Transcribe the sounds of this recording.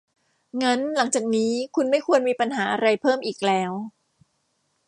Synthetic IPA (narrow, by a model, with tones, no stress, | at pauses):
ŋa˦˥nla˩˦ŋt͡ɕaː˨˩k̚niː˦˥kʰu˧nma˥˩jkʰu˧ənmiː˧pa˧nɦaː˩˦ʔa˧ɾa˧jpʰɤː˥˩mʔiː˨˩k̚lɛː˦˥w